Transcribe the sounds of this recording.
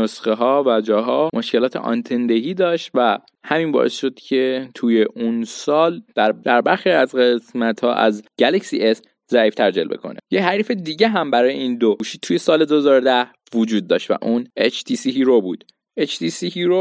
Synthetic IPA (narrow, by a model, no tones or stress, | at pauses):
osχeɦɒːvæd͡ʒɒːɦɒːmoʃcelɒːt̪ʰe̞̰ʔɒ̰nt̪ʰend̪eɦiːd̪ɒːʃt̪væ | hæminbɒ̰ʔe̞sʃo̞d̪̥cʰe̞t̪ʰuːje̞ʔunsɒːld̪̥æɾd̪̥æɾbæɾxiæzɢesmæt̪hɒ̰ːʔæ̰zɟ̥ælecsiʔes | zæiːft̪ʰæɾd͡ʒelbe̞̰kʰo̞̰nḛjeɦæɾiːfed̪iːɟe̞ɦæmbæɾɒːjeiːnd̪ouʃit̪ʰuːjesɒːle̞d̪ohzɒːɾod̪æh | vod͡ʒuːd̪̚ːɒːʃt̪væ̰ʔunet͡ʃʰt̪ʰisihiɾobuːd̪̥ | et͡ʃʰt̪isihiɾo